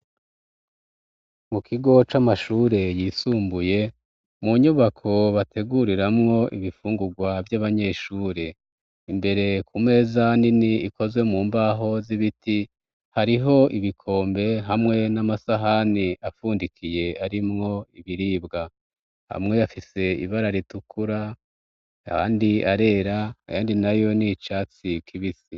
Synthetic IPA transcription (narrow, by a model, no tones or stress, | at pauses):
mukʰiɡo̞t͡ʃamaʃuːɾe̞jisuːmbuje̞ | muɲuβakʰo̞βatʰe̞ɡuɾiɾamŋo̞ʔḭβifuːŋɡuɡwavjaβaɲe̞ːʃuːɾe̞ | imbe̞ɾe̞kume̞ːzaniniiko̞zwe̞muːmbaɦo̞ziβiti | haɾiɦo̞iβikʰo̞ːmbe̞ɦamŋe̞namasaɦaniʔafuːndikʰije̞aɾimŋo̞iβiɾiːbɡa | ha̰mŋe̞jafise̞ḭβaɾaɾitukʰuɾa | aha̰ːndiaɾe̞ɾajaːndinajo̞nit͡ʃaːt͡sikʰiβisi